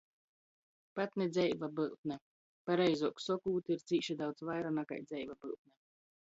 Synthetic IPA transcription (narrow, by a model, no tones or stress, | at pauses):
pat̪nɛd̪zʲɛjvabɨlˠt̪̚nʲɛ | paɾɛjzuɔksɔkuːt̪iɾt̪siːʃid̪awt̪svajɾanaka̰jd̪zɛjvabɨlˠt̪̚nɛ